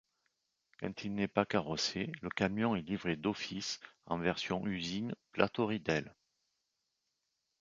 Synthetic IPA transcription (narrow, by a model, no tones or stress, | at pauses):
kɑ̰̃t̪ʰilnɛpakaʁɔseləkamjɔ̃ɛlivʁed̪ɔfisɑ̰̃vɛʁsjɔ̃ʔyzinplat̪ɔʁid̪ɛl